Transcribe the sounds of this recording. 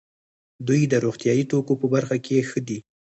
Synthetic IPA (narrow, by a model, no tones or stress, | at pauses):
d̪ujd̪əɾoɣt̪jɑjit̪okopəbaɾxakexəd̪i